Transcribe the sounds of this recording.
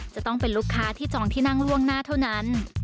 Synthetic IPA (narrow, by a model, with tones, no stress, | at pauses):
t͡ɕa˨˩ʔt̪ɔ˥˩ŋpe˧nluː˥˩kʰːaː˦˥t̪ʰiː˥˩t͡ɕɔː˧ŋt̪ʰiː˥˩na˥˩ŋɾu˥˩əŋnaː˥˩t̪ʰa˥˩wna˦˥n